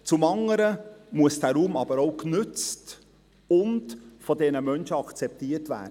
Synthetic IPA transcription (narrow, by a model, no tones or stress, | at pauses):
t͡sʊmɑŋːəɾəmuəsd̥æːɾuːmɑbəɾoʊknʏt͡st | ʊntfɔdɛnəmœnʃəɑkt͡sɛp̚tiːətvæ̰ːd